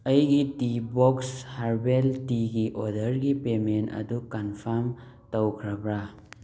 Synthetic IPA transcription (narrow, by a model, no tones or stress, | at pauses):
ɐjɡitibokshaɾbeltiɡiʔodəɾɡipementɐ̰dukanpʰaɾm | təwkʰɾabɾa